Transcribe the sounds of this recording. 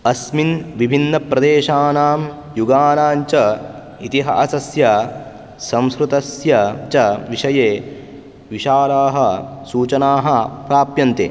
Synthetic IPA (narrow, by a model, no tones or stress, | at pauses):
ɐsminʋibʱinːɐpɾɐd̪eːʃaːnaːm | juɡaːnaːnt͡ʃɐ | it̪iɦɐ̰ʔɐsɐsjɐ | sɐ̃mskɾut̪ɐsjɐt͡ʃɐʋiʃɐjeː | ʋiʃaːɾaːɦɐsuːt͡ʃɐnaːɦɐpɾaːpjɐnt̪ḛː